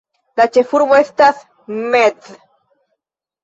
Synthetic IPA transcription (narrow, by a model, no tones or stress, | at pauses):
d̪at͡ʃefuɾmoest̪aθ | med̪